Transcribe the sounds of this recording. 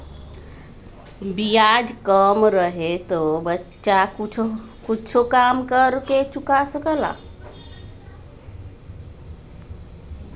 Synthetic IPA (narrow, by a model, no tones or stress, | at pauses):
bijad͡ʒkəmɾəɦet̪obətːʃakʰ | kut͡ʃʰokamkəɾket͡ʃukasəkəla̰